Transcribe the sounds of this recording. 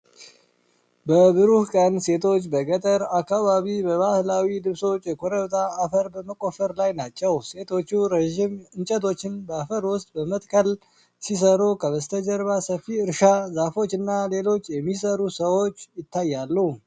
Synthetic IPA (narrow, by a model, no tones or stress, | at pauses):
bəbɨɾuhkʼənse̞t̪ʰo̞t͡ʃːbəɡət̪ʼəɾakːaβaβibəβahlawilɨβso̞t͡ʃʼːjɛkʰoɾəβt̪ʼaːfəɾbəməkʼo̞fəɾlajnat͡ʃːɛwse̞t̪ʰo̞t͡ʃːuɾeʒimɨnt͡ʃʼət̪̬ʰo̞t͡ʃːɪnbəafəɾwʊst̪ʼbəmət̪ʼkʰəl | sis̬əɾukʰəβəst̪ʰəd͡ʒəɾβasəfiɨɾʃazafo̞t͡ʃːɨnːale̞lo̞t͡ʃːjɛmːis̬əɾusəwo̞t͡ʃːjɪt̪ːajːalːuu